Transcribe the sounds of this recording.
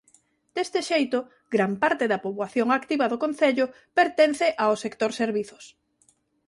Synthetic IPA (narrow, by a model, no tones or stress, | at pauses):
d̪̥est̪ɪʃejt̪ʊ | ɡɾampaɾt̪eðɐpoβwaθjoŋakt̪iβɐðʊkon̟θeʎʊ | peɾt̪en̟θeʔaosekt̪oɾseɾβiθʊ̥s